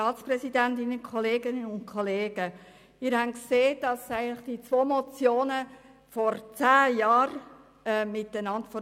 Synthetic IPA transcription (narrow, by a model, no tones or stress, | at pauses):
ɑːtt͡sprɛsidæntɪnəkʰχɔleːɡɪnəʊntkʰɔleːɡ̥ə | mɪːɾhænkseːd̥ɑsæɪɡənlɪχd̥it͡sʋoːmɔt͡sjoːnə | fɔɾt͡sæːjɑːɾ | ɛmɪtənɑntfɔ